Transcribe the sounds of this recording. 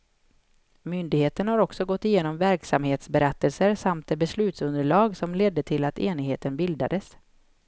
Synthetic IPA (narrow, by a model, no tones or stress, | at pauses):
mʏnd̪ɪɡheːt̪ənhaɾɔksɔɡɔt̪ːɪjeːnɔmvæɾksamheːt̪sbɛɾɛt̪ːəlsəɾsamt̪̚d̪ebɛslʉ̟ːt̪sɵnd̪əɭɑːɡsɔmleːd̪ːət̪ʰɪlat̪eːnɪɡheːt̪ənbɪld̪a̰d̪əs